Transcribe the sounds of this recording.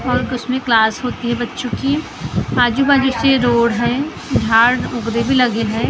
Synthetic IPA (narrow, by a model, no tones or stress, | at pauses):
ɔːɾʊsmẽklaːsɦoːt̪iɦɛbɐtːʃõki | aːd͡ʒubaːd͡ʒuseɾoːɽɦɛ̃ː | d͡ʒʱaːɽʊɡɾebʱilɐɡeɦɛ̃ː